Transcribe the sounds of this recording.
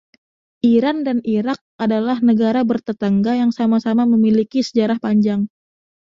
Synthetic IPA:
ʔiɾandaniɾak̚adalahnəɡaɾabərt̪ət̪aŋɡajaŋsamasamaməmilikisəd͡ʒaɾahpaɲd͡ʒaŋ

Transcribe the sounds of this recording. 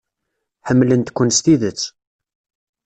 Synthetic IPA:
ħəmːlənt̪kʷːʊnst̪iðət͡sː

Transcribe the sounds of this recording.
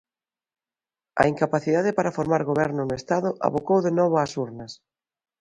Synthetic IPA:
ɐ̰iŋkapaθiðaðepaɾafoɾmaɾɣoβɛɾnʊnʊest̪aðʊʔa̰βokowðenɔβ̞ʊasuɾnɐs

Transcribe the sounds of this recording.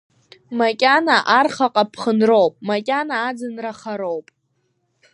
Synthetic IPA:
makʲʼanaʔarχaqʼapʰχənrowpʼmakʲʼanaːd͡zɨnraχaɾowpʼ

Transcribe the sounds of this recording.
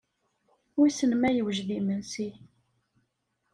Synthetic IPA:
ʊɾsənmæjəwʒðimənsi

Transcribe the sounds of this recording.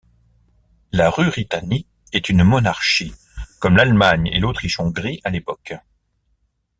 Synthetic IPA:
laʁybʁit̪ani | ɛt̪ynmɔnaʁʃi | kɔmlalmaɲḛlot̪χiʃɔ̃ɡʁiʔalepɔk

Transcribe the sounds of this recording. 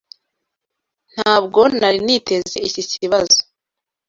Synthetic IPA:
n̥haːbɡo̞naɾinite̞ze̞iciciβazo

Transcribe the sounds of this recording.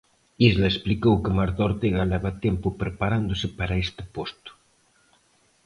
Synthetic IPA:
izlaesplikowkɪmaɾt̪oɾt̪eɣalɛβat̪ɛmpʊpɾepaɾand̪osɪpaɾaest̪ɪpost̪ʊ̥

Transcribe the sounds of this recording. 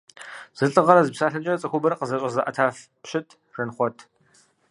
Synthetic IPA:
z̥ɨɬʼɨʁɐɾɐzɨpsaːɬɐt͡ʃʼɐrɐt͡sʼɐxʷʊbɐɾɐqəzɐɕʷʼɐzɐʔɐtʰaːf | pʃɪtʰ | rɨnχʷɔtʰ

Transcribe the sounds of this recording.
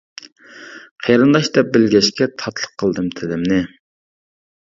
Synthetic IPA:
qʰejɾɨnd̪ɑʃd̪ɛp̚bɪlɡʲɛʃkʲɛt̪ʰɑt̪ʰlˠə̥qʰːəlˠd̪ɨmt̪ʰɪlɪmnɪ

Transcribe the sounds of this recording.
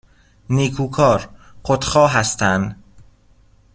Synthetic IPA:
niːkʰuːkʰɒːɾqʰot̪χɒːɦæst̪ʰænd̪

